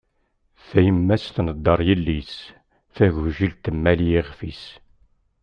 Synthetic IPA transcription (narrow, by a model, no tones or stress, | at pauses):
θæjəmːæsθnəd̪ːəɾˤjəlːis | θæʝvʒilt̪əmːæljiʁfis